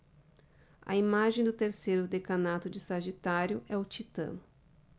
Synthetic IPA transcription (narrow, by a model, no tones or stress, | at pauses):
ɐ̰imaʒẽj̃d̪ʊt̪eɾsejɾʊd̪ekɐnat̪ʊd͡ʒɪsaʒit̪aɾjʊʔɛʊt͡ʃit̪ɐ̰̃nʊ